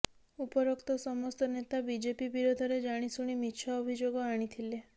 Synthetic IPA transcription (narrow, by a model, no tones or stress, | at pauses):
upɔɾɔkt̪ɔsɔmɔst̪ɔnet̪abid͡ʒepibiɾod̪ʱɔɾed͡ʒaɽ̃isuɽ̃imit͡ʃʰɔːbʱid͡ʒoɡɔaɽ̃it̪ʰile